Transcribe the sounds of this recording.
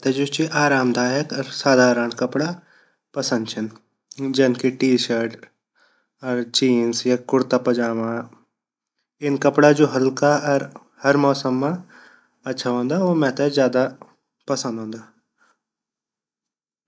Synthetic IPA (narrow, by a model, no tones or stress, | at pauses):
t̪ɛd͡ʒot͡ʃiʔaːɾaːmd̪ʱaːjəkɐɾsaːd̪ʱaːɾəɳkɐpɽa | pɐsə̃nd̪t͡ʃʰɪn | d͡ʒenkiʈiːʃəɾʈ | əɾt͡ʃiːnsjakʊɾt̪apɐd͡ʒaːmã | ɪnkɐpɽad͡ʒoːɦɐlkaɐɾ | hɐɾmɔːsəmːã | ɐtːʃʰaɦõːnd̪aʋomɛ̃t̪ɛzjaːd̪a | pɐsə̃nd̪ɦõːnd̪a